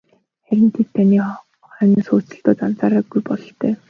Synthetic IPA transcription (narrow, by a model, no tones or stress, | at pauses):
χæɾʲɪ̆nt̪ʰet̪t̪ʰːaniː | χœːniːsʊːt͡sə̆ɮt̪ʊːt͡san̥t͡saːɾaːɡujpɔɮɞ̆ɬt̪œː